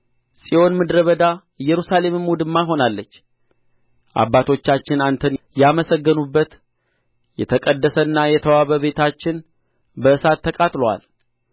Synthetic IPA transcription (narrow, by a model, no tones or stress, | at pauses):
sʼiʔo̞nmɨd̪ɾəβəd̪a | ɨjːɛɾusale̞mɨmwud̪ɨmːaɦo̞nalːət͡ʃː | ʔa̰bːat̪ʰo̞t͡ʃːat͡ʃːɪnant̪ʰənjaməsəɡːənubːət̪ | jɛt̪ʰəkʼəd̪ːəsənːajɛt̪ʰəwaβəβe̞t̪ʰat͡ʃːɪn | bəɨsat̪ʰːəkʼat̪lowa̰l